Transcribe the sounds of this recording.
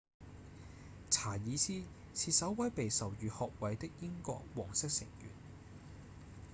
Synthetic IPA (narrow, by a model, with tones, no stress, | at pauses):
t͡sʰaː˨˩jiː˨˧siː˥ | t͡sʰiː˧t̚sɐ˨˥wwɐ˨˥jpe˨jsɐ˨˩wjyː˨˧hɔː˨k̚wɐ˨˧jt̪ɪ˥k̚jɪ˥ŋkɔ̰ː˧k̚wɔː˨˩ŋsɪ˥k̚sɪ̰˨˩ŋjy̰ː˨˩n